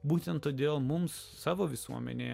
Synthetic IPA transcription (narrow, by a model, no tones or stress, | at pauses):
buːt̪ʲɛnt̪tːoːd̪ʲeːlˠmʊmsːɑːʋoːʋʲɪsuɔmʲɛ̰nʲḛː